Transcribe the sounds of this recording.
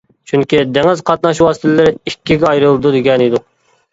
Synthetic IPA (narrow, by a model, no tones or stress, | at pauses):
t͡ʃʰyŋkʲid̪eŋɪzqʰɑt̪nɑʃwɑːsɨ̥t̪ʰlɪɾɪikʲːiɡʲɛɑjɾɨlˠɨd̪ud̪eɡʲɛnid̪uq